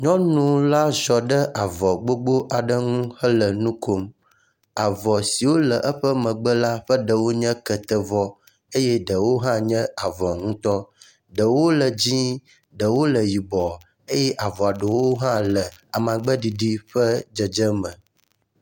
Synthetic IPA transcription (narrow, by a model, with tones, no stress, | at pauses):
ɲɔ̃˦nũ˨˦la˦zɔ˨ɖə˦ʔa˨vɔ˨ɡ͡bo˦ɡ͡bo˦ʔa˨ɖə˦ŋũ˦hə˦lə˨nũ˦ko˦m | a˨vɔ˨si˨wo˦lə˨ʔə˦ɸə˦mə̃˨ɡ͡bə˦la˦ɸə˦ɖə˨wo˦ɲə̃˦kə˨t̪ə˦vɔ˦ | e˦jɛ˦ɖə˨wo˦ɦã˦ɲɛ̃˦a˨vɔ˨ŋũ˦t̪ɔ˦ | ɖə˨wo˦lə˨d͡ʑĩ˦ | ɖə˨wo˦lə˨ji˨bɔ˨ | e˦jɛ˦ʔa˨vɔ˨a˨ɖə˨wo˦ɦã˦lə˨a˨mã˨ɡ͡bə˦ɖi˨ɖi˦ɸə˦d͡ʒə˨d͡ʒə˦mə̃˨